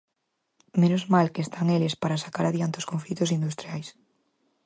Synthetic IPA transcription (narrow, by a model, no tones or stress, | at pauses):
menozmalkeest̪aŋelɪspaɾasḁkaɾaðjant̪eoskoɱflit̪osind̪ust̪ɾiajs